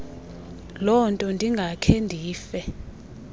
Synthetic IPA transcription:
lɔntʼɔndʱiŋɡʱakʰendʱiːfɛ

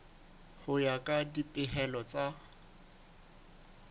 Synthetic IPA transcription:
hʊjakʼadipʼɪɦɛlɔt͡sʼa

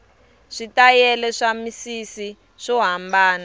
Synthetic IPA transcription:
ʂitajɛlɛʂamisisi | ʂɔɦambaːna

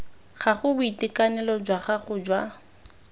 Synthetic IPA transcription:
ɣaχʊbʊitikʼanɛlɔd͡ʒwaχaχʊd͡ʒwa

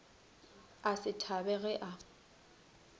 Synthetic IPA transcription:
asɪtʰabɛɣɛʔa

